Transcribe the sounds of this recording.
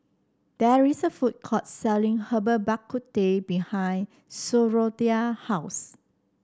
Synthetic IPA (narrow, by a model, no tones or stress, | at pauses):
d̥ɛɹisəfut̚kʰɔt̚sɛlĩŋhəbəbakʰːut̚debihãjn | soɹodiahaʊs